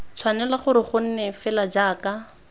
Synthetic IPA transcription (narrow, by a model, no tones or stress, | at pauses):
t͡sʰwanɛlaχʊɾɪχʊn̩nɛfɛlad͡ʒaːka